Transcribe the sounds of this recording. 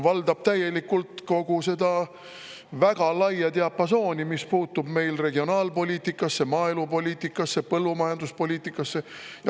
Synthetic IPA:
vɑld̪ɑb̥̚t̪æje̞likːult̪ko̞ɡ̥use̞d̪̥ɑ | væɡ̥ɑlɑjɑt̪eɑpːɑso̞ːnimispuːt̪ːˑub̥me̞jlre̞ɡio̞nɑːlpo̞lʲiːt̪ikːˑɑsːe̞mɑːelupo̞lʲiːt̪ikːˑɑsːepɤlːumɑjɑnd̪̥uspo̞lʲiːt̪ːˑikːˑɑsːe̞jɑ

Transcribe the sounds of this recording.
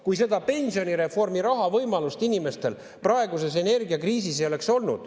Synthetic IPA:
kujs̬e̞d̪̥ɑpe̞nʲsio̞niɾe̞fo̞rmiɾɑɦɑvɤjmɑlust̪inime̞st̪e̞l | prɑe̞ɡuse̞se̞ne̞rɡiɑkriːs̬isejo̞le̞kso̞lnud̪̥

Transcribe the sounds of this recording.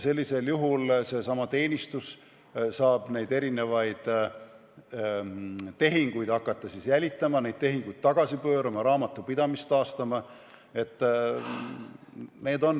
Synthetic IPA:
se̞lʲːise̞ljuɦulse̞sɑmɑt̪e̞ːnʲist̪us | sɑːb̥ne̞jd̪e̞ɾine̞vɑjd̪̥ | t̪e̞ɦiŋɡ̥ujd̪̥ɑkːˑɑt̪ˑːɑsisjælʲit̪ːˑɑmɑne̞jd̪̥̚t̪e̞ɦiŋɡ̥ujd̪̥̚t̪ːɑɡ̥ɑsipø̞ːɾɑmɑɾɑːmɑt̪ːˑupid̪̥ɑmist̪ɑːst̪ɑmɑ | e̞t̪ːˑ | ne̞ːd̪o̞n

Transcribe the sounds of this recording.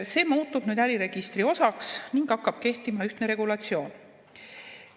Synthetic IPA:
se̞ːmuːt̪ːˑub̥nyːd̪æɾiɾe̞ɡ̥ist̪rio̞sɑksniŋɡ̥ɑkːˑɑb̥̚ke̞ht̪imɑyht̪neɾe̞ɡulɑt̪sio̞ːn

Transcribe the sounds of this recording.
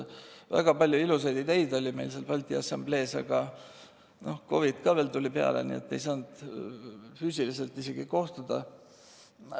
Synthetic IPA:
væ̰ɡ̥ɑpɑlʲjuiluse̞jd̪it̪ejd̪̥o̞lʲime̞jlselpɑlʲt̪ʲˑiɑsɑmb̥le̞ːsɑ̰ɡ̥ɑ | no̞hko̞̰vit̪kɑːve̞ːlt̪ulʲipeɑ̰lḛnḭe̞̰t̪ːe̞̰jsɑːnd̪̥ | fyːsilise̞lt̪ːˑise̞ɡ̥iko̞ht̪ud̪̥ɑ̰

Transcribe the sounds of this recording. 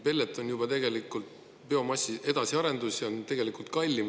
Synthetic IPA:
pe̞lʲːet̪ːˑonjub̥ɑt̪e̞ɡ̥e̞likːˑult̪ | pe̞o̞mɑsʲːiʔe̞d̪̥ɑsiɑɾe̞nd̪̥usjɑont̪e̞ɡ̥e̞likˑult̪̚kɑlʲːim

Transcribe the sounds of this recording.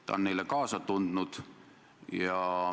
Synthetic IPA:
t̪ɑ̰o̰nnejlekɑːsɑt̪und̪̥nud̪̥ | jɑ

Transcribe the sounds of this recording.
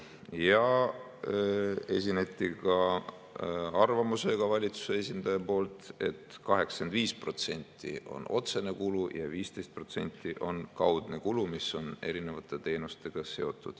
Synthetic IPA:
jɑ | e̞sʲinet̪ʲːikɑ | ɑrvɑmuse̞ɡ̥ɑvɑlʲit̪su̥se̞esʲind̪̥ɑjɑpo̞ːlt̪e̞̰t̪kɑɦe̞kskend̪viːspro̞t̪se̞nʲt̪ːˑḭʔo̞̰no̞̰t̪se̞ne̞kulujɑ̰viːst̪e̞jst̪̚pro̞t̪se̞̰nʲt̪ːˑiʔo̞nkɑwd̪̥ne̞kulumiso̞ne̞̰ɾine̞vɑt̪ːˑe̞t̪e̞ːnust̪e̞ɡ̥ɑse̞o̞t̪ːˑud̪̥

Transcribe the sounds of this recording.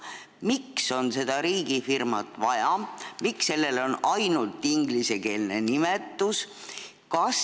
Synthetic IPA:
mikso̞nse̞d̪̥ɑɾiːɡifirmɑ̰t̪ːˑvɑjɑmiksːe̞lːe̞lo̞nɑjnult̪ˑːiŋɡlise̞ke̞ːlne̞nimet̪ːˑus | kɑs

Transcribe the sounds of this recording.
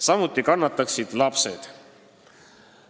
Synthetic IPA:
sɑmut̪ˑːikɑnːɑt̪ːˑɑksid̪̥lɑpse̞̰d̪̥

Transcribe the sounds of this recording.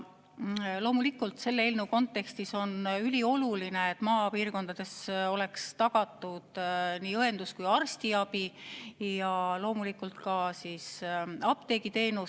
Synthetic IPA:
lo̞ːmulikːult̪se̞lːeelnuko̞nt̪ːˑe̞kst̪iso̞nylʲio̞lulineet̪ːˑmɑːpiːrko̞nd̪ɑd̪̥e̞so̞le̞kst̪ɑɡ̥ɑt̪ːˑud̪̥niːɤe̞nd̪̥uskujɑrst̪iɑb̥ijɑlo̞ːmulikːult̪kɑsiːsɑb̥t̪e̞ɡ̥it̪e̞ːnu

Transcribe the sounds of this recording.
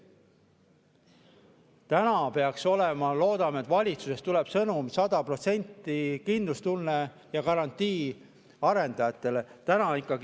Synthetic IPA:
t̪ænɑpe̞ɑkso̞le̞mɑlo̞ːd̪̥ɑmet̪ːvɑlʲit̪su̥se̞st̪uleb̥sɤnumsɑd̪ɑpro̞t̪se̞nʲt̪ːˑikind̪̥lust̪ulne | jɑkɑɾɑnt̪ːˑiː | ɑɾe̞nd̪̥ɑjɑt̪ːˑe̞let̪ænɑikːˑɑɡ

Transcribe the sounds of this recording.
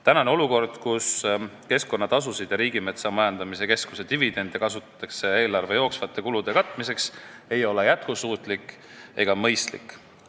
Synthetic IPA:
t̪ænɑneo̞luko̞rd̪̥kuske̞sko̞nːɑt̪ɑs̬usid̪̥jɑɾiːɡime̞t̪sɑmɑjɑnd̪̥ɑmiseke̞sku̥se̞t̪ivid̪̥e̞nd̪̥jɑkɑsut̪ːˑɑ̥t̪ːˑɑkse̞eːlɑrve̞jo̞ːksvɑt̪ːˑe̞kulud̪̥e̞kɑt̪ːˑmise̞kse̞jo̞le̞jæt̪̚kusuːt̪ˑlikːˑ | e̞ɡ̥ɑmɤ̞jst̪lḭkːˑ

